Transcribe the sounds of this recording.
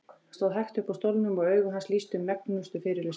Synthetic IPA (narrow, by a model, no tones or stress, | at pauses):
st̪aːðɦɛhxt̪ʏhpawst̪owlnʏmɔɣœːɥɣʏɦansliːst̪ʏmːɛknʏst̪ʏfɪːɾɪɾlɪs